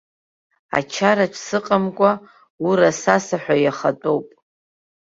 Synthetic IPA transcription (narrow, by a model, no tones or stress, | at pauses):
a̰t͡ʃʰaɾaʈ͡ʂʰsɨqʼamkʷʼa | uɾasasaħʷᶣajaχatʼowpʼ